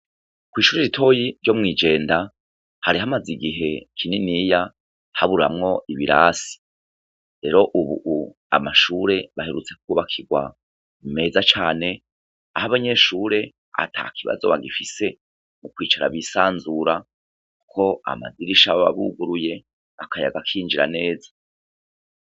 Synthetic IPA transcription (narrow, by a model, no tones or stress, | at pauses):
kwiːʃuɾeɾitʰo̞jiɾɟo̞mŋiːd͡ʒe̞ːnda | haɾiɦamaziɡiɦe̞kʰininiːja | haβuɾɾa̰mŋo̞ʔiβiɾa̰si̥ | ɾe̞ɾo̞ʔuβṵʔu | a̰maʃuɾe̞βaheɾut͡se̞kkuβakʰiɡwa̰ | me̞ːzat͡ʃaːne̞ | ahaβaɲe̞ʃuɾe̞ | a̰tʰa̰ːkʰiβa̰zo̞̰βaɡifise̞ | mukwiːt͡ʃaɾa̰βisaːnzuɾa | ku̥kʰo̞a̰ma̰diɾiʃaβaβa̰βṵɡuɾuje̞ | βakʰaja̰ɡakʰiːnd͡ʒiɾa̰ne̞ːzḁ